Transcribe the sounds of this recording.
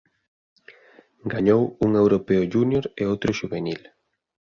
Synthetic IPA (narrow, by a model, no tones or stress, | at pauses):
ɡaɲowuŋewɾopeʊʒunjoɾeowt̪ɾʊʃuβenil